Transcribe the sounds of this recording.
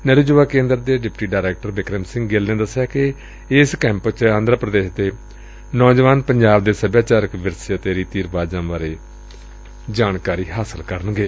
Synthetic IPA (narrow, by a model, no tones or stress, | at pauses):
nəɾud͡ʒʋaːkẽːnd̪əɾd̪eːɖɪpʈiːɖaːɾɛːk̚ʈəɾbɪkɾəmsɪ̃ŋɡɡeːlnẽːd̪əsːjaːkɪ | ɪskɛ̃ːmpt͡ʃəãːnd̪ɾəpɾəd̪eːʃd̪eː | nɔːd͡ʒʋaːnpəɲd͡ʒaːbd̪eːsəbjaːt͡ʃaːɾəkʋɪɾseət̪eːɾiːt̪iːɾbaːd͡ʒãːbaːɾeː | d͡ʒaːnkaːɾiːɦaːsəlkəɾənɡeː